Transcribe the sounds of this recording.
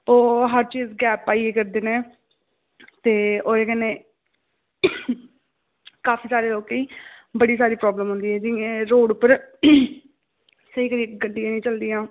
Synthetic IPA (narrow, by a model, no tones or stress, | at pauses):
oːɦəɾt͡ʃiːzɡɛːpaːieːkəɾd̪eːnẽː | t̪eːoːeːkɛnẽː | kaːfʰiːsaːɾeːloːkiːbəɽiːsaːɾiːpɾɔːbləmɦʊ̃nd̪iːɛːd͡ʒiẽːɾoːɽpəɾ | səiːkəɾiːkɡəɖːijãːnĩːt͡ʃəld̪iːãː